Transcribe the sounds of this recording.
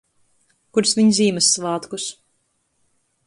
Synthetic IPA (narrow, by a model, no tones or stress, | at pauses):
kuɾsvʲiɲzʲiːmɨsːvɑːt̪kus